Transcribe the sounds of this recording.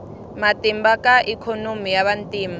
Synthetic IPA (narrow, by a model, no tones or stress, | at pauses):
matimbakaʔikʰɔnomijaβantʼiːma